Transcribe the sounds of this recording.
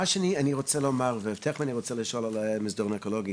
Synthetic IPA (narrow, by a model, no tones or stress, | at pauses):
aʃanianiʁɔt͡sɛlomaʁveɛft̪ʰɛχmaniʁɔt͡sɛliʃolalmizdɔʁmɛkolɔɡi